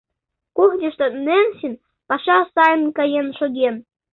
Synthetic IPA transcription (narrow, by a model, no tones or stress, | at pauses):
kuxdʲĕʃt̪ɤ̆nenɕin | pɑʃɑsɑjnkɑjenʃoɡʲen